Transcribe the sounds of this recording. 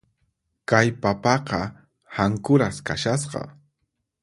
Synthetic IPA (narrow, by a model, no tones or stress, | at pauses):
kajpapɑqɑ | haŋkʊɾaskaʃas̬qɑ̰